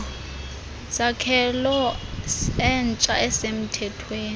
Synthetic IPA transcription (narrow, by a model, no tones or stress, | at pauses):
sakʰɛlɔ | ɛnt͡ʃʼaɛsem̩tʰɛtʰweːn